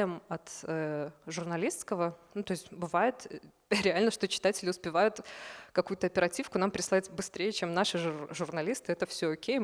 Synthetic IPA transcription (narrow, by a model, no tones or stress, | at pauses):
ɪmɐt̪əʐʊrnɐlʲist̪skəvənut̪o̞ɪsʲtʲbɨvajɪt̪ | ɾʲɪalʲnəʂt̪o̞t͡ɕɪ̥t̪atʲɪlʲɪʊspʲɪvajʊt̪kɐkujʊt̪əɐpʲɪɾɐtʲifkʊnampɾʲɪslˠatʲbɨst̪ɾʲejət͡ɕemnaʂɨʐʊrnɐlʲist̪ɨɛt̪əfsʲoːkʲej